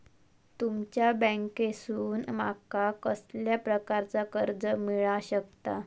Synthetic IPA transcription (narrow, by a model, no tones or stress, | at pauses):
t̪umt͡ɕjabə̃ŋkesuːnma̰kakəsljapɾəkaɾt͡sakəɾd͡zəmiɭaɕək̚t̪a